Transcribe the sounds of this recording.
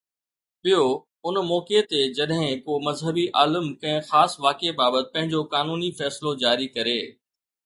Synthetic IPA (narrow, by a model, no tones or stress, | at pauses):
ɓijo | ʊnmɔːket̪ed͡ʑɐɗɦɪ̃koːmɐzɦəbiʔaːləmkɐ̃ɦɪ̃xaːsʋaːkebaːbət̪ɪ̥̆pɐ̃ɦɪ̃ɲd͡ʑokaːnuːnifɛːsɪlod͡ʑaːɾikɐɾeː